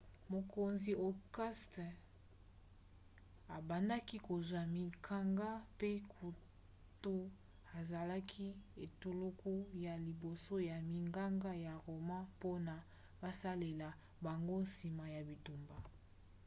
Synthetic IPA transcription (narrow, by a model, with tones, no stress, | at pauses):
mo˨ko˨nzi˨o˨kɛ˦st | a˨ba˨nda˦ki˦ko˨zwa˨mi˨kʰa˦ŋɡa˦pe˦kʰu˨ | to˦ | a˨za˨la˦kʰi˦e˨to˨lo˦ko˦ja˨li˨bo˨so˦ja˨mi˨ŋɡa˦ŋɡa˦ja˨ʁo˨mã˦po˦na˨ | ba˦sa˦le˨la˨ | ba˨ŋɡo˦nsi˨ma˨ja˨bi˨tu˨mba˨